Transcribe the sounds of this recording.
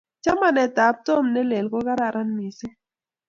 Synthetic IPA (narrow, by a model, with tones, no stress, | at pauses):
t͡ʃa˦ma˦˨nɛ˨ta˨˦p̚to˦˨mnɛ˦le˨lkɔ˦ka˦ɾa˦˨ɾʔa˦nmi˨se˦